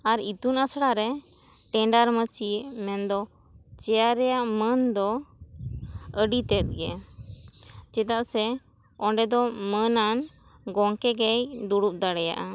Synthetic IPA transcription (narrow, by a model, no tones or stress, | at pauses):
aɾit̪unasɽaɾɛ | ʈɛɳɖaɾmət͡ʃiʔmɛnd̪ɔ | t͡ʃɛjaɾɛjaʔmənd̪ɔ | əɖit̪ɛt̪̚ɡɛ | t͡ʃɛt̪aʔsɛ | ɔɳɖɛd̪ɔmənan | ɡɔŋkɛɡɛjd̪uɽup̚ˀd̪aɽɛja̰ʔa